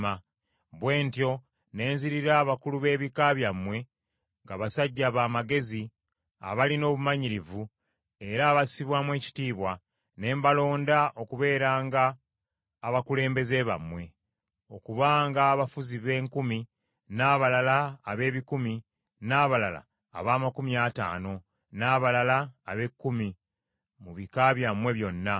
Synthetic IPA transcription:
a | βwe̞ːntjo̞ | ne̞ːnziɾiɾaːβakuluβe̞ːβikaβjamwe̞ | ŋɡaβasaɟːaβaːmaɡe̞zi | a̰βalino̞ːβumaɲiɾivu | e̞ɾaːβasi̥siβwaːmwe̞ːci̥tiːβwa | ne̞ːmbalo̞ːndaʔo̞kuβe̞ːɾaːŋɡaː | βakule̞ːmbe̞ze̞βa̰mwe̞ | o̞kuβaːŋɡaːβafuziβe̞ːŋkumi | naːβalalaːβe̞ːβikumi | naːβalala̰ː | βaːmakumiata̰ːno̞ | naːβalalaːβe̞kːumi | muβikaβjamwe̞βjo̞nːa

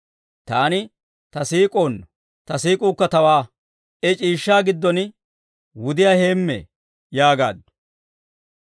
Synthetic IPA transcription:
t̪aːnɪ | t̪ɐsiːkʼoːnːɔ | t̪ɐsiːkʼuːkːɐt̪ɐwaː | ʔɛt͡ʃʼiːʃːaːɡɪd̪ːɔn | wʊd̪ɪjaːhe̞ːmːɛ̰ | jaːɡa̰ːd̪ʊ̥

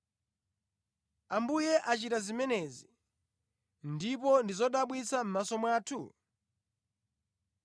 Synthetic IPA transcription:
ambujɛʔat͡ʃitazimɛnɛzi | ndip̬ɔndizɔɗaɓwit͡sam̩masɔmwaːtʰu

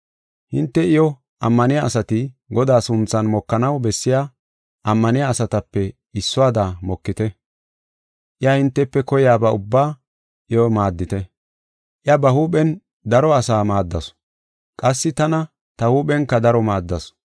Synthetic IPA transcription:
hɪnt̪ːɛɪjɔ | ʔɐmːɐnɪjaːsɐt̪ɪɡɔd̪aːsʊnt͡sːɐnmɔkːɐnɐwbɛsːɪja | ʔɐmːɐnɪjaːsɐt̪ɐpːɛ | ɪsːɔaːd̪amɔkːɪt̪ɛ | ʔɪjɐhɪnt̪ːɛpːɛkɔjaːbɐʊbːaː | ʔɪjɔmaːd̪ːɪt̪ɛ | ʔɪɐbɐhuːɓɛn | d̪ɐɾɔɐsaːmaːd̪ːɐs | kʼɐsːɪt̪ɐnɐ | t̪ɐhuːpɛŋkːɐd̪ɐɾɔmaːd̪ːɐs

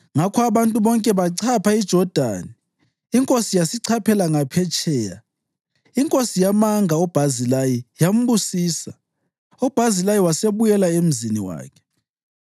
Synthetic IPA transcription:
ŋakʰɔaβantʼuβɔŋkʼɛβaǀʰapʰaid̥ʒ̥ʱɔd̥ʱa̰nɛ | iŋkʼosijasiǀʰapʰɛlaŋapʰɛt͡ʃʰʼɛːja | iŋkʼosijamaŋʱaɔb̥ʱazilajijam̩busiːsa | ɔb̥ʱazilajiwaseβujɛlaem̩ziniwa̰ːkʰɛ̥

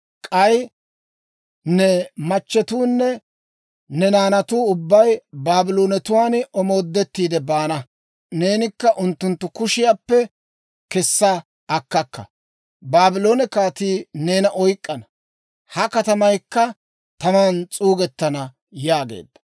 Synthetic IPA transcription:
kʼɐj | nɛmɐt͡ʃːɛt̪uːnːɛ | nɛnaːnɐt̪uːʊbːɐjbaːbɪloːnɛt̪ʊwaːnɔmo̞ːd̪ːɛt̪ːiːd̪ɛbaːnɐ | ne̞ːnɪkːɐʔʊnt̪ːʊnt̪ːʊkʊʃɪjaːpːɛ | kɛsːɐ | ɐkːɐkːɐ̰ | baːbɪloːnɛkaːt̪iːne̞ːnɐʔɔjkʼːɐnɐ | hɐkɐt̪ɐmɐjkːɐ | t̪ɐmaːnt͡sʼuːɡɛt̪ːɐnɐ | jaːɡḛːd̪ːɐ̥

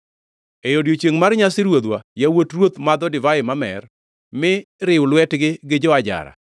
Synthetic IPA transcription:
ejodjot͡ʃeŋmarɲasɪɾwod̪wajawotrwot̪mad̪ɔdɪvaɪmamɛ̰r | mɪɾɪwʊlwɛtɡɪɡɪd͡ʒɔad͡ʒa̰ɾa̰

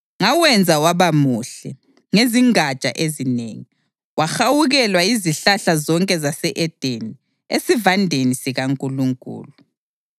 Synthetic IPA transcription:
ŋawɛnd͡zʱawaβamuɬɛ | ŋeziŋat͡ʃʼa̰ʔezinḛːŋi | waxawuɣɛlwaiziɬaɬazɔŋkʼɛzasɛʔɛd̥ʱeni | esivandʱenisiɣaŋkʼuluŋkʼṵːlu

